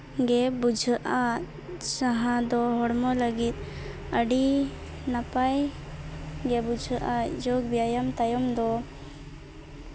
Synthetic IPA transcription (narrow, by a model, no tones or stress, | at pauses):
ɡɛbud͡ʒʱəʔa | saɦãd̪ɔɦɔɽmɔləɡit̪̚ | əɖi | napaj | ɡɛbud͡ʒʱəʔad͡ʒɔɡbjajamt̪ajɔmd̪ɔ